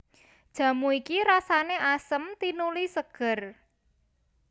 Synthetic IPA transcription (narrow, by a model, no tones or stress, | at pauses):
d̥ʒ̥ä̤muikiɾasaneʔasəmt̪inulisəɡ̥ə̤r